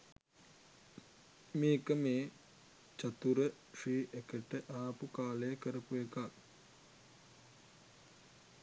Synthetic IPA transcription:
meːkəmeː | t͡ʃat̪uɾə | ʂiːʔekəʈəʔaːpukaːləjəkəɾəpuekak

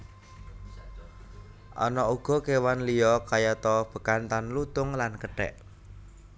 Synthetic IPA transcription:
ʔɔ̰nɔuɡ̥ɔ̤kewanlijɔkajat̪ɔb̥ə̤kant̪anlut̪ʊŋlankəɖ̥ɛ̰ʔ

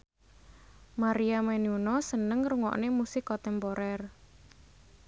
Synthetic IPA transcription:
maɾiamɛniunɔsənəŋruŋɔ̰ʔnemusɪkːɔt̪ɛmpɔɾɛr

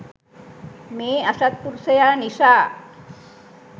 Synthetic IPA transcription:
measat̪̚puɾsəjanisa

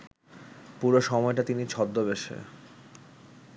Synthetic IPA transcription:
puɾoʃɔmɔeʈat̪init͡ɕʰɔd̪ːobeʃḛ

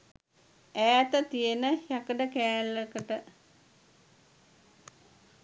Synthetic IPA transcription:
ææt̪ət̪ijenəjakəɖəkæːlːekəʈə

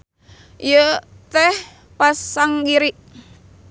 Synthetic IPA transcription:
ijə | t̪ɛh | pasaŋɡiɾiʔ

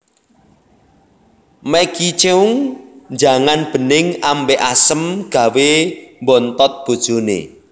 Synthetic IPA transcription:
mɛkit͡ʃeuŋnd͡ʒa̤ŋanb̥ə̤nɪŋambeʔasəmɡ̥ä̤wembɔnt̪ɔt̪̚b̥o̤d̥ʒ̥o̤nḛ

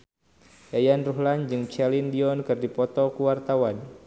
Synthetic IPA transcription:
jajanruɦland͡ʒɨŋt͡ʃɛlindiɔnkɨrdipɔt̪ɔkuwart̪awan

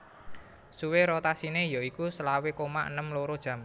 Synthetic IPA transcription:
suweɾot̪asinejoikusəlawekomaʔə̰nəmloɾod̥ʒ̥ä̤m

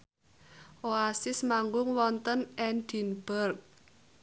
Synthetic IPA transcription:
ʔoasɪsmaŋɡʊŋwɔnt̪ənʔɛnd̪̥i̤nb̥ərk̚

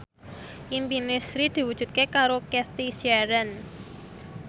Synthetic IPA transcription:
ʔimpinɪsɾid̪̥i̤wud̥ʒ̥ṳt̪̚kekaɾokɛst̪isiɛɾɛn

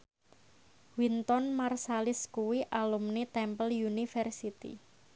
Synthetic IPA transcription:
wint̪ɔnmarsalɪskuwiʔalumnet̪ɛmpəljunifɛrsit̪ḭ

